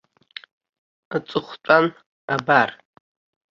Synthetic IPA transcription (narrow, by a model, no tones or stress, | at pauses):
at͡sʼɨχʷt͡ʃʷʼan | abar